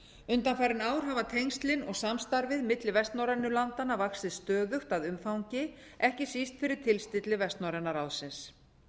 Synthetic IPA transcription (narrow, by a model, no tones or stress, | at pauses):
ʏnt̪anfajɾɪnaːwɾ̥ɦavat̪ʰejŋɲst̪lɪnɔɣsamst̪aɾvɪðmɪt̪lɪvɛst̪nawɾɛnːʏlant̪anːavaksɪðst̪œːðʏxt̪aðʏmfawɲcɪ | ɛhcɪ̥sist̪fɪɾɪɾ̥t̪ʰɪlst̪ɪt̪lɪvɛst̪nawɾɛnːaɾawsɪns